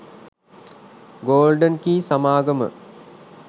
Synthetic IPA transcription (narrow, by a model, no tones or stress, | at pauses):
ɡoːlɖənkiːsamaːɡəmə̰